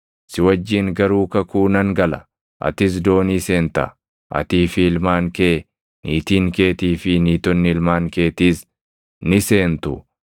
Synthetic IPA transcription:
sɪwɐd͡ʒːiːŋɡɐɾuːkɐkuːnɐŋɡɐlɐ̰ | ʔɐ̰t̪ɪs̬d̪o̞ːnise̞ːnt̪ɐ̰ | ʔɐ̰t̪iːfɪɪlmaːŋkeː | niːt̪iːŋke̞ːt̪iːfɪniːt̪ɔnːɪɪlmaːŋke̞ːt̪iːs | nɪse̞ːnt̪ʊ

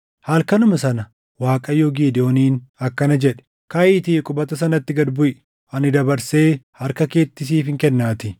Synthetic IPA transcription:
hɐlkɐnʊmɐsɐnɐ | waːkʼɐjoːɡiːd̪ɪoːniːnɐkːɐnɐd͡ʒɛᶑɛ̥ | kɐʔiːt̪iːkʼʊbɐt̪ɐs̬ɐnɐt̪ːɪɡɐd̪bʊʔɪ | ɐnɪd̪ɐbɐɾse̞ːhɐɾkɐke̞ːt̪ːɪs̬iːfɪŋkɛnːaːt̪ɪ

